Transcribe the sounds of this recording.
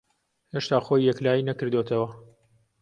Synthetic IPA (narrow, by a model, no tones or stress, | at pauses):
heːʃt̪aːxojːɛklaːjinɐkɨɾd̪oːt̪ʰɐwɐ